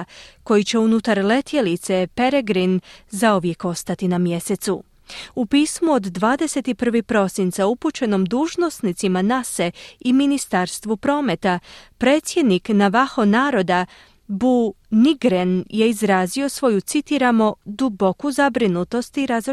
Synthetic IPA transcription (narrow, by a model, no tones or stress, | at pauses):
ko̞jit͡ɕe̞unut̪aɾle̞t̪jelit̪se̞pe̞ɾeɡɾinzaoʋje̞ko̞st̪at̪inamje̞se̞t̪su | upiːsmuo̞d̪ːʋaːd̪e̞se̞t̪ipr̩ʋipɾo̞sint̪sauput͡ɕe̞no̞md̪uːʒno̞snit̪simanaseiminist̪aɾst̪ʋupɾo̞ːme̞t̪apɾe̞ːt̪sje̞d̪niknaʋaxo̞naːɾo̞d̪a | buniɡɾenje̞izɾaːzio̞sʋo̞jut̪sit̪iɾamo̞d̪ubo̞kuzabɾinut̪o̞st̪iɾazɾo